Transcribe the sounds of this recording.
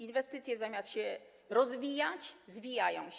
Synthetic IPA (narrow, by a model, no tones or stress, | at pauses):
invɛst̪ɘt̪sʲjɛzamʲast̪ɕɛ | ɾɔzvʲijat͡ɕzvʲijajɔ̰̃w̃ɕ